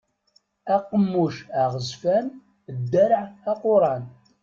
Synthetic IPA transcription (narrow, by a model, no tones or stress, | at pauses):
æqːəmːuʃaʁəzfæn | d̪ːæɾʕæqʊɾˤɑn